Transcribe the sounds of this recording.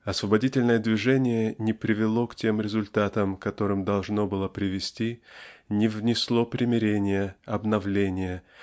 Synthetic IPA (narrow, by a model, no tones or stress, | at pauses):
ɐsvəbɐdʲitʲɪlʲnəjəd̪vʲɪʐɛnʲɪjənʲɪpɾʲɪvʲɪlˠo̞ktʲemɾʲɪzʊlʲt̪at̪əmkɐt̪o̞ɾɨmd̪ɐlˠʐnobɨlˠəpɾʲɪvʲɪsʲtʲinʲɪvnʲɪslˠo̞pɾʲɪmʲɪɾʲenʲɪjəɐbnɐvlʲenʲɪjə